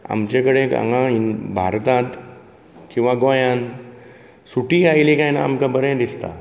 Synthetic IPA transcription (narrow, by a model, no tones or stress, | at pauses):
a̰mt͡ʃekəɽẽɐ̰ŋãinbʱa̰ːɾt̪ãt̪ | kĩw̃ʋãɡoːjãn | suʈiaːilikãinaːmkabəɾẽd̪ɪst̪a̰